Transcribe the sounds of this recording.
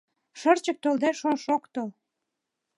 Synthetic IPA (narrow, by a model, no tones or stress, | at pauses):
ʃərt͡ɕək̚t̪old̪æʃonʃokt̪ol